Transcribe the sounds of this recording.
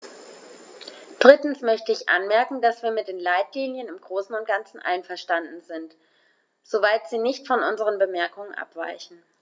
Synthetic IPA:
d̥ʁɪtn̩smœçtəɪçʔa̰nmɛɐkŋ̩dasv̥iːɐmɪt̚d̥eːnlaɪtliːnjənɪmɡ̥ʁoːsn̩ʊnt̚ɡ̥ant͡sn̩ʔa̰ɪnfɛɐʃtandn̩zɪnt | z̥ovaɪtz̥iːnɪçtfɔnʔʊnzəʁənbəmɛɐkʊŋənʔa̰pv̥a̰ɪçn̩

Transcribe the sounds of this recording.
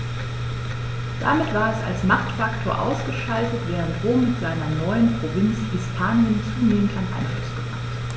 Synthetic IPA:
d̥a̰mɪtv̥aːɐɛsa̰lsmaχtfaktʰoːɐʔa̰ʊsɡ̥əʃaltətv̥ɛːʁ̞əntʁoːmːɪtz̥aɪnɐnɔʏənpʁ̥ovɪnt͡shɪspʰaːnjənt͡suːneːmən̩tʔanʔa̰ɪnflʊsɡ̥əma̰t

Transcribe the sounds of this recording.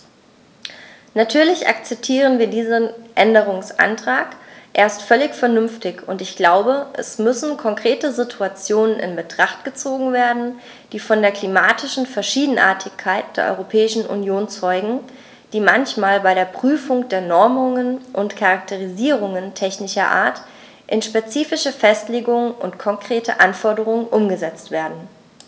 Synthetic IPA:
natʰyːɐlɪçʔa̰kt͡sɛp̚tʰiːʁ̞ənviːɐdiːzənʔɛndəʁ̞ʊŋsʔa̰ntʁ̥aːkʔeːɐstfœlɪçfɛɐnʏmftɪçʊntɪçɡ̥laʊbəʔɛ̰smʏsn̩kʰɔŋkʁ̥eːtəzitʰuat͡sjoːnənɪ̰nbətʁ̥aχtɡ̥ət͡soːɡŋ̩veːɐdn̩ | d̥iːfɔndeːɐkl̥imaːtɪʃn̩fɛɐʃiːdn̩ʔa̰ːɐtʰɪçkʰːaɪt̚d̥eːɐʔɔ̰ʏʁopʰɛːɪʃn̩ʔṵnjoːnt͡sɔʏɡŋ̩ | d̥iːmançmaːlbaɪɾeːɐpʁ̥yːfʊŋd̥eːɐnɔɐmʊŋənʔʊntkʰaʁak̚tʰəʁ̞iziːʁ̞ʊŋəntʰɛçnɪʃɐʔa̰ːɐt | ʔɪnʃpet͡siːfɪʃəfɛstleːɡʊŋənʊ̰ntkʰɔŋkʁ̥eːtʰə̰ʔanfɔɐdəʁ̞ʊŋənʔʊmɡəzɛt͡stv̥eːɐdn̩

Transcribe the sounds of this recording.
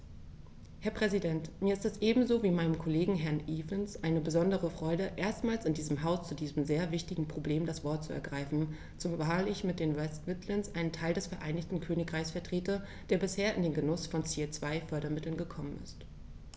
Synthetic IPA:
hɛɐpʁ̥ɛzidɛntmiːɐɪstɛsʔeːbm̩zoːviːmaɪnəmkʰoleːɡŋ̩ɦɛɐnʔiːvənsʔaɪnəbəzɔndəʁəfʁ̥ɔʏɾəʔeːɐstmaːlsɪndiːzəmɦaʊst͡sudiːzəm̩zeːɐvɪçtɪɡŋ̩pʁ̥obleːmdasv̥ɔɐt̚t͡suɛ̰ɐɡʁaɪfn̩ | t͡sʊvaːlɪçmɪt̚d̥eːnwɛstvɪtlənsʔaɪnəntʰaɪldɛsfɛɐʔaɪnɪçtn̩kʰøːnɪkʁ̥aɪçsfɛɐtʁ̥eːtɐ | d̥eːɐbɪsheːɐɪndeːnɡənʊsfɔnt͡set͡sv̥aɪfœɐɾɐmɪtl̩nɡəkʰɔmənɪ̰st

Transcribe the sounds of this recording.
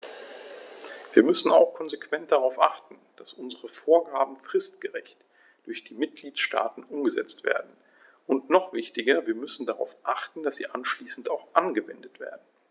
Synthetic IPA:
v̥iːɐmʏsn̩a̰ʊxkʰɔnzekv̥ɛnt̚d̥aʁaʊfʔaχtn̩d̥asʔʊnzəʁəfoːɐɡaːbm̩fʁ̥ɪstɡ̥əʁɛçt | d̥ʊɐçd̥iːmɪt̚ɡ̥liːtʃta̰ːtn̩ʔʊmɡəzɛ̰t͡stv̥ḛːɐdn̩ | ʊntnɔχv̥ɪçtɪɡɐviːɐmʏsn̩daʁa̰ʊfʔaχtn̩dasz̥ḭːʔanʃliːsn̩taʊxʔanɡəvɛ̰ndətv̥ḛːɐdn̩

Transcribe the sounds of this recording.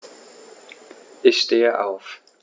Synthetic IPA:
ʔɪçʃteːəʔa̰ʊf

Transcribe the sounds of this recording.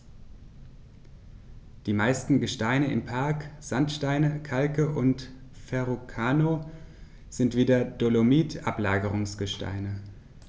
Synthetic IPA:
d̥iːmaɪstn̩ɡəʃtaɪnəɪmpʰaɐkz̥antʃtaɪnəkʰalkəʔʊnt | fɛʁokʰaːno | z̥ɪntv̥iːdɐd̥olomiːtʔaplaːɡəʁ̞ʊŋsɡ̥əʃta̰ɪnə

